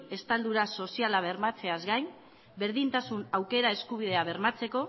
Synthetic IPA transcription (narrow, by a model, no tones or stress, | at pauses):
e̞st̪ald̪uɾaso̞sialaβ̞e̞rmat͡se̞azɣajn | be̞ɾðint̪asunawke̞ɾae̞skuβ̞ið̞e̞aβ̞e̞ɾmat͡se̞ko̞